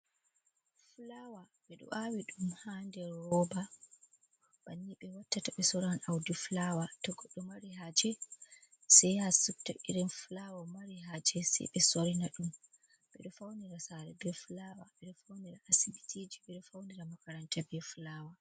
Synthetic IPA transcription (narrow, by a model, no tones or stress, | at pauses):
flawa | ɓɛɗɔ̰ʔawiɗumhandɛɾɔba | baniɓɛwatːataɓɛsɔɾanawdiflawatɔɡɔɗːɔmaɾiɦad͡ʒɛ | sɛjhasukta̰ʔḭɾɛnflawamaɾiɦad͡ʒɛsɛ̰jɓɛsoɾinaɗum | ɓɛɗɔfawniɾasaɾɛbɛflawaɓɛɗɔfawniɾaʔasibitʰiːd͡ʒiɓɛɗɔfawniɾamakaɾantabɛflaːwa